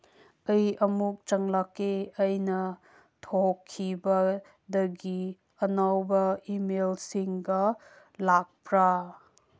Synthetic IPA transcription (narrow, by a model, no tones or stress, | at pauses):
ɐjɐmuk̚t͡ʃɐŋlakeɐjnɐ | tʰokʰːibɐ | dɐɡi | ɐnawbɐimelsiŋɡɐ | lak̚pɾa